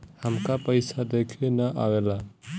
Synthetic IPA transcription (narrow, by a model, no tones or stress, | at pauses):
həmkapəjsad̪ekʰenəʔawela